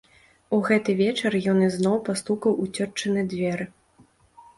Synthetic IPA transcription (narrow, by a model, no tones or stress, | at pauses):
uɣɛt̪ɨvʲɛt͡ʂɐrjɔnɨznɔwpast̪ukɐwut͡sʲɔrt͡ʂɐnɨdʲvʲɛɾɨ